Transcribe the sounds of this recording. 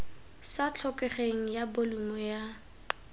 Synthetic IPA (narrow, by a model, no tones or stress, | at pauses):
sat͡ɬʰɔkɛχeŋ̩jabolumɔja